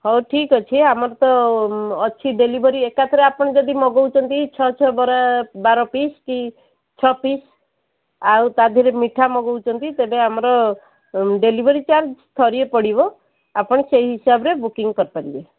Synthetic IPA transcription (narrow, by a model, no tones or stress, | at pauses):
hɔwʈʰikɔt͡ʃʰiamɔɾɔt̪ɔː | t͡ʃʰiɖelibʱɔɾiekat̪ʰɔɾeapɔɽ̃ɔd͡ʒɔd̪imɔɡɔwt͡ʃʰɔnt̪it͡ʃʰɔt͡ʃʰɔbɔɾabaɾɔpiski | t͡ʃʰɔpis | awt̪ad̪ʱiɾemiʈʰamɔɡɔwt͡ʃʰɔnt̪it̪ebeamɔɾɔ | ɖelibʱɔɾit͡ʃaɾd͡ʒst̪ʰɔɾiepɔɽibɔ | apɔɽ̃eseiɦisabɔɾebukiŋɡkɔɾpaɾibe